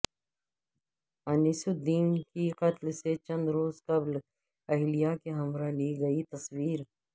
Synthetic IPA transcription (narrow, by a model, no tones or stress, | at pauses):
ɐnɪsud̪iːnkiqɐt̪lset͡ʃɐ̃nd̪ɾoːzqɐbl | ɐɦlijakeɦɐmɾaliːɡɐit̪ɐswiːɾ